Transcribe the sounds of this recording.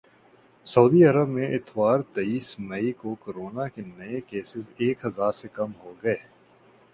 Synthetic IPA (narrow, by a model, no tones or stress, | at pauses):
sɐuːd̪iɐɾəbmẽʔɪt̪waːɾt̪ɐiːsmɐikokoɾoːnakenɐekeːsɪzeːkɦɐzaːɾsekɐmɦoɡɐeː